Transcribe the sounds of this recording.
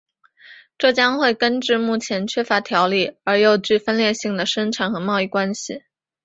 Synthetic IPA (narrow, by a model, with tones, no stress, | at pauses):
ʈ͡ʂɤ˥˩t͡ɕjɑ˥ŋxwe˥˩ɪkə˥nʈ͡ʂɻ̩˥˧mu˥˩t͡ɕʰjɛ˧˥nt͡ɕʰɥɛ˥fa˧˥t̪ʰjɑ˧˥ʊli˥˩ə˞˧˥jo˧˥˧ʊt͡ɕy˥˩fə˥nljɛ˥˧ɕi˥˩ŋd̪ə˩ʂə˥nʈ͡ʂʰa˨˧˥nxɤ˧˥mɑ˥˧ʊi˥˩kwa˥nɕḭ˨˩